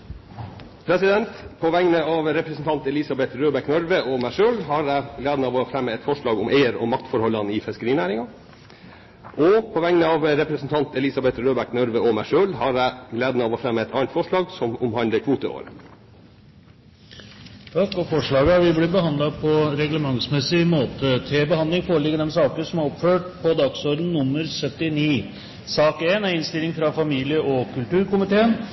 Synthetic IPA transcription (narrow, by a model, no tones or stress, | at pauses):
pʰɾɛsɪd̪ɛnt̪pʰɔʋæŋnəɑːʋɾɛpɾəsn̩t̪ɑnt̪ɛlɪsɑbɛt̪ɾøːbæknœɾʋəʔɔmæɪʂøːlɦɑɾæɪɡleːd̪nɑːʋoːfɾɛmːəɛt̪fɔʂɭɑːɡʊmʔeɪəɾɔ̰mɑkt̪fɔɾhɔlɑnɪːfɪskəɾiːnæːɾɪŋɑ | ʔɔpʰɔʋɛŋnəɑːʋɾɛpɾəsn̩t̪ʰɑnt̪ɛlɪsɑbɛt̪ɾøːbæknœɾʋəɔmæɪʂøːlhɑɾæɪɡleːd̪ənəɑʋɔfɾɛmːɛt̪ʰɑ̰ːnt̪fɔʂɭɑːɡsɔmʊmhɑnd̪əkʰʋuːt̪əo̰ːɾə | t̪ʰɑkːɔfɔʂɭɑːɡəhɑɾʋɪblɪbəɦɑnd̪lɑpʰɔɾɛɡləmɑŋsmɛsɪmoːt̪ət̪ʰeːbəhɑnd̪ɪŋfoːɾəɭɪɡːəd̪ɛmsɑːkəʂɔmæɾɔpːføːʈpʰɔd̪ɑːɡsɔɾd̪n̩nʊmːəɾsœt̪ɪniː | sɑːkeːnæɾɪnst̪ɪlɪŋfɾɑfɑmiːlɪəʔɔkʉlt̪ʉːɾkʊmɪt̪ʰeːən